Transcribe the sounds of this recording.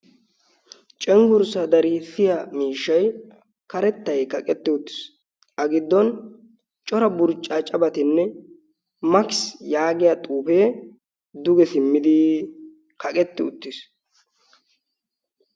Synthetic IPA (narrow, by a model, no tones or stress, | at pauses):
t͡ʃʼɛŋɡʊɾsɐd̪ɐɾisɪjɐmiːʃːɐj | kɐɾɛt̪ːɐjkɐkʼɛt̪ːɪʊt̪ːɪ̥s | ɐɡɪd̪ːɔn | t͡ʃʼɔɾɐbʊɾt͡ʃʼːat͡ʃʼɐbɐt̪ɪnːɛ | mɐkɪsjaːɡɪjat̪ʼuːfeː | d̪ʊɡɛsɪmːɪd̪ɪ | kɐkʼɛt̪ːɪʊt̪ːɪs